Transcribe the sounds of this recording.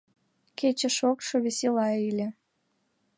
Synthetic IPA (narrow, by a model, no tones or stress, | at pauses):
ket͡ɕəʃokʃoβeselɑilʲe